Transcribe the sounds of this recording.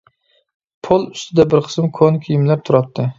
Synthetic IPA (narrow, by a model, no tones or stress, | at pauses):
pʰolˠʊ̥st̪ʰɪd̪abɪɾqʰɨ̥smkʰonkʲʰijɪmlaɾt̪ʰʊɾat̪ːɪ